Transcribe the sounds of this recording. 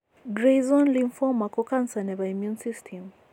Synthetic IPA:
ɡɾezɔnlinfɔmakɔkansanɛβaimjunsistʰɛm

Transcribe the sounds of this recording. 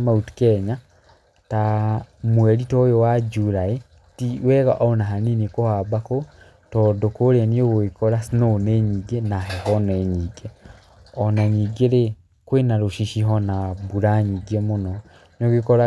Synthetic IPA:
mautu̥kɛɲa | tamwɛɾitɔjowad͡ʒuɾae | tiwɛɣaʔɔonaɦaninekohabako | tɔdokoɾeaniewoekɔɾasnonɛɲiɡenaɦɛɦɔnɛɲiɡɛ | ɔnaɲiɡeɾe | kwenaɾoʃiʃiɦɔnabuɾaɲiɡɛmonɔ | noɡekɔɾa

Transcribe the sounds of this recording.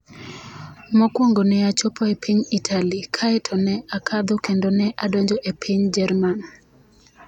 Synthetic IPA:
mɔkwoŋɡonɛat͡ʃopɔepʰiɲitʰalikʰaɛtʰɔnɛakʰad̪ɔkendonɛʔadɔɲd͡ʒɔʔepʰiɲd͡ʒɛrman

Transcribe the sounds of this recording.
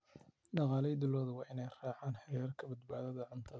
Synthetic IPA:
ɖɑqɑːlɛjd̪ɪlːɔːðɐwɑːʔɪnɛjr̥aːʕaːnħɐɾɛːrkʰɐbɐd̪baːðɐðɐʕʊnt̪ʰɐ

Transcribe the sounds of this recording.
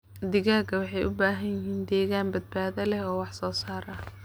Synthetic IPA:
d̪ɪɣaːɡɐwɑħɑjʔʊbaːɦɐnjɪɦiːnd̪ɛːɣaːnbɐd̪̚baːðɐlɛɦɔːwɑħsɔːsaːɾɐ

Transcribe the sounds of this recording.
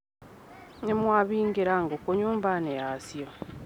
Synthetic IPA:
nemwaβiːŋɡiɾaŋɡokoɲuːmbanejasjo

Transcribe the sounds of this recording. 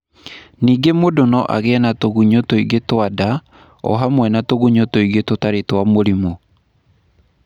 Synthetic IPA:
niːɡemodonɔʔa̰ɣɛɛnatoɣuɲotoiɡetwada | ɔ̰ɦamwɛnatoɣuɲotoiɡetotaɾetwamoɾimo

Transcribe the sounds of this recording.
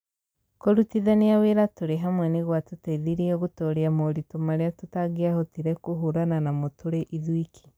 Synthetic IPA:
koɾutiðaniaweɾatuɾeɦamwɛneɣwatutaiðiɾiɛɣutoɾiamoɾitumaɾjatutaɡeahotiɾekuɦuɾananamotuɾeʔiðwikʰi̥

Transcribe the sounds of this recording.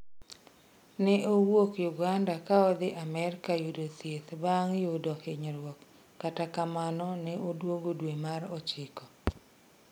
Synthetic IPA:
nɛʔowokjuɡandakaɔd̪ɪʔamɛɾkajudot̪jet̪baŋjudɔhɪɲɾwɔkː | atakamanɔnɛʔodwoɡodwemaɾɔt͡ʃɪkɔ

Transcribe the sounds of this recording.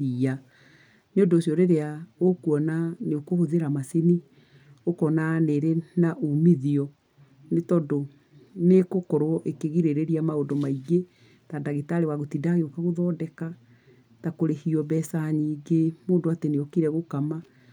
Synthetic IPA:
ia | neondoːsiɔɾeɾeaokuɔnaneokohoðeɾamaseni | okɔnaneɾenaʔumiðiɔ | netɔdo | nekokɔɾwɔʔekeɣiɾeɾeɾiamaodomaiɡe | tadaɣetaɾewaɣotidaɣeokaɣoðɔdɛka | takoɾehiɔbɛsaɲiːɡemoːndoateneokiɾɛɣokama

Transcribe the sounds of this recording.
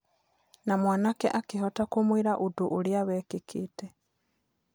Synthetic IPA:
namwaːnakɛ̰ʔakiɦɔtakomwiɾaʔuduʔuɾjaβɛːkikʰitɛ

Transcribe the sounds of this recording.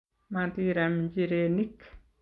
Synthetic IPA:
mantiɾamid͡ʒiɾenik

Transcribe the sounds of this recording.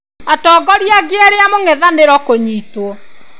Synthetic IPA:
atɔːɡɔɾiaɡeaɾeamoŋɛðaneɾɔkoɲiːtwɔ

